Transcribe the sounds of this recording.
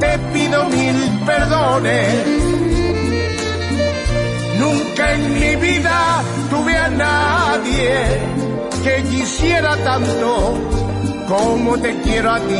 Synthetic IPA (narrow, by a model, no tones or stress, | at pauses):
t̪epiðomilpeɾðone | nũŋkaeŋmiβiða | t̪uβeanaðje | ke̞ʝisjeɾat̪ant̪o | komot̪e̞kjeɾoat̪i